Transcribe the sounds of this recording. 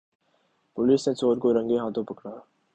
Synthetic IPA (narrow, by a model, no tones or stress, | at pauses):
poliːsnẽt͡sʰoːɾkoɾə̃ŋɡeːɦãːt̪opəkɽaː